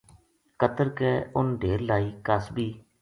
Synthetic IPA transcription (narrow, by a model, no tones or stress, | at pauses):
kət̪əɾkeːʊnɖʱeːɾlaːiːkəsbiː